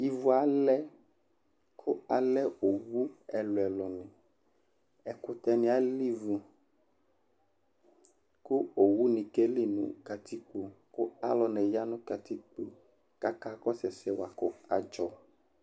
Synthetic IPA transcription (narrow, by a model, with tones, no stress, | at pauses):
i˦vu˦a˨˦lɛ˦ | kʰo˦a˨lɛ˦o˨wu˦ɛ˨lo˨ɛ˨lɔ˨nɛ̃˨ | ɛ˨kʊ˨t̪ɛ˦nĩ˦a˦li˦vu˨ | ku˦o˨wu˦nĩ˨ke˦li˦nṵ̃˦ka˨t̪i˦k͡po˨ko˦a˦lɔ˨nɛ˨ja˦nũ˦ka˨t̪i˦k͡po˨ | ka˦ka˦kɔ˦sɛ˨sɛ˦wa˨ko˦a˨d͡ʒɔ˨